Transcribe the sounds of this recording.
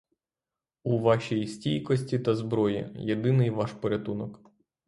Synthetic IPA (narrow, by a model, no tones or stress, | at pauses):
uʋɑʃʲijisʲtʲijkɔsʲtʲit̪ɐzbɾɔjḭjed̪ɪnɪjʋɑʃpɔɾʲɐt̪unɔk